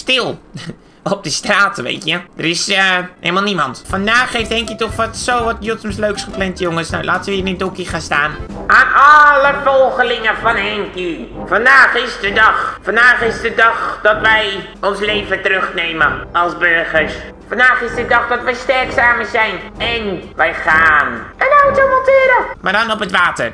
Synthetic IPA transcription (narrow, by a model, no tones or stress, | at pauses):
stɪlˠ | ɔp̚dəstraːtʋḛːtjədərɪsəelmalˠnimɔntfandaːxefthɛŋkjətɔxʋɔtsoːʋɔtjotsəmsløːksχəplɛntjoŋəsna̰wlʔaːtsʋinidokəxanstaːnʔaːnɔləfɔlˠxəlɪŋəfɔnɛŋkifandaːxɪsdədɑχfɑndaːχɪzdədɑχd̥ɑtʋɛj | ɔnslejvətrøχnejməɑlˠsbøɹχəɹs | fɑndaːχɪsdədɑχdɑtʋɛjstɛɹksaːməzɛjnɛnʋɛjχaːnənawtomɔtɪːɾəmaːdɔnɔpətʋaːtə̰r